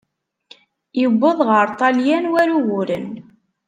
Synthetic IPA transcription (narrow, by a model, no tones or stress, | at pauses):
jəbːʊðˤʁəɾˤt̪ˤɑljænwæɾuwʊɾən